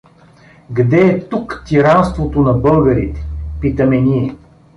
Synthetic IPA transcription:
ɡd̪ɛːt̪ukt̪ʲiɾanst̪vot̪onɐbɤlˠɡəɾit̪ɛ̥pit̪əmɛniɛ

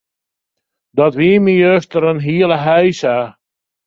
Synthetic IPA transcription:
dɔtʋiːmijøstəɾənɦiələɦɛjsa

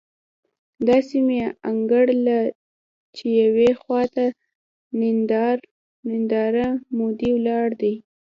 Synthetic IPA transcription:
d̪ɑsimeaŋɡəɽla | t͡ʃejawexwɑt̪a | nɪnd̪ɑɾ | nɪnd̪ɑɾamod̪iwlɑɽd̪aj

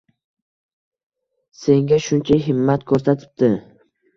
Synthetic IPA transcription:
se̞ŋɡʲaʃʊnt͡ʃʰaɦɪmːat̪kʰɵɾsat̪ʰɪ̥p̚d̪ɪ

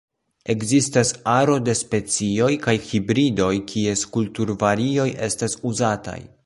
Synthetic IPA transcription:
e̞ɡzistasaɾo̞de̞spe̞t͡sio̞jkajhibɾido̞jkʰie̞skultuɾvaɾio̞je̞stasuzata̰j

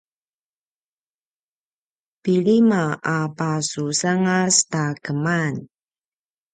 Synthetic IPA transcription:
piɭimaapasusaŋastakəman

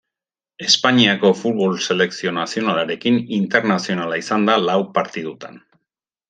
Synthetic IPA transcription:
e̞spaɲiako̞fut̪βo̞lse̞le̞ksio̞nasio̞nalaɾe̞kinint̪e̞ɾnasio̞nalaisand̪alawpaɾt̪iðut̪a̰n

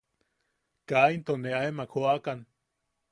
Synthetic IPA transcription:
kaint̪oneaemakʰoakan

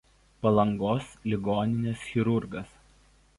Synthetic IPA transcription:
pɐlˠɐŋɡoːslʲɪɡoːnʲɪnʲesxʲɪɾʊɾɡɐs

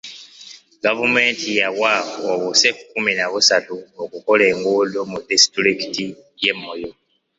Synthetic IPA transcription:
ɡavume̞ːntʰijawaoβose̞kukuminaβusatuokuko̞le̞ːŋɡolomudistɾikiti | je̞mːo̞jo̞

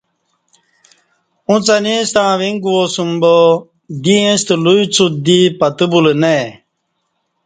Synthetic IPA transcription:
ũt͡sɐnist̪ãːʋiŋɡuwosumbo | d̪iẽst̪luit͡sʰud̪ipɐt̪ɨbulene

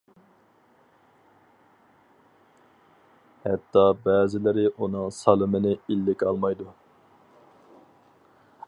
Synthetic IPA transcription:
hɛt̪ʰːɑbɛːzɪlɪɾɪʔunɨŋsɑlˠɨmɪnɪilːɪkʲɑlˠmɑjd̪u

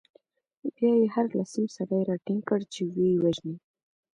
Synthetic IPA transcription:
bjɑjehaɾlasimsaɾajɾɑʈiŋɡkəɽt͡ʃewejwaʒni

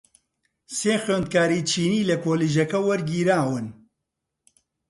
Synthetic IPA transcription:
seːxɥeːnd̪̚kaːɾit͡ʃʰiːniːlɐkoːliːʒɐkɐwɐɾɡiːɾaːwɨn

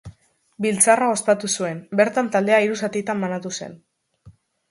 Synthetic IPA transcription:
bilt͡sarao̞spat̪usue̞mbe̞ɾt̪ant̪ald̪e̞aiɾusat̪it̪amːanat̪use̞̰n

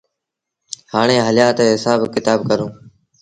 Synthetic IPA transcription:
haːɳ̃eːɦəljaːt̪eːɦɪsaːbkɪt̪aːb̚kəɾõː

